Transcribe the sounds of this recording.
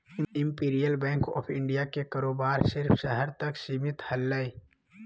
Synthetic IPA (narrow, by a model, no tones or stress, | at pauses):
ɪ̃mpiːɾijəlbɛ̃ːŋkɔ̰ːpʰɪ̃ɳɖijakekaɾoːbaːɾsɪɾpʰʃəɦɛɾt̪ɐksimɪt̪hɐlːai